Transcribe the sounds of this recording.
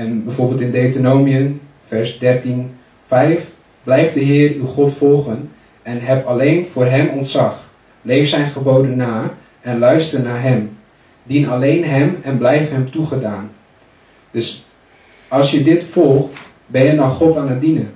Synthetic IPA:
ɛnbɛjvoːɹbɪlˠtɪndeɥtənowmiən | fɛɹsdɛɹtin | fɛjf | blɛjfdəɦɪːrywχɔtfɔlˠχən | ɛnɦɛpɑlejnvʊːrɦɛmɔntsɑχ | lejfsɛjnχəbowdənːaː | ɛnlœɥstərnaːɹɦɛm | dinɑlejnɦɛmɛnblɛjfɦɛmtuχədaːn | d̥ɵs | ɑlˠsjədɪtfɔlˠχt | bɛnjədɔχχɔtaːnət̚dinən

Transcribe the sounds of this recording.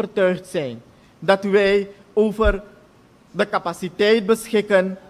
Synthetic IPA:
ərtœɥχtsɛjn | dɑtʋɛj | oːvər | dəkapasitɛjt̚bəsxɪkən

